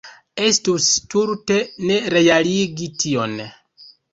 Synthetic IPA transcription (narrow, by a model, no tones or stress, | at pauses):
e̞stustuɾte̞ne̞ɾe̞jaliɡitio̞n